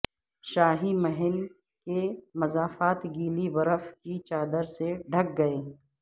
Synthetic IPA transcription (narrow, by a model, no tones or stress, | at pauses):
ʃaːɦimɐɦɪl | kemɐzaːfaːt̪ɡiːlibɐɾəfkit͡ʃaːd̪əɾseɖʱɐk̚ɡɐeː